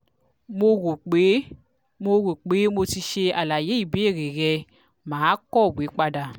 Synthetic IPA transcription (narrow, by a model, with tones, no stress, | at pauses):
mo˦ɡo˨k͡pe˦ | mo˦ɣo˨k͡pe˨˦mo˧ti˧ʃe˧a˨la˨je˦i˨be˦e˦˨ɾe˨ɣɛ˧ | maː˨˦kɔ˦˨be˨˦k͡pa˦da˨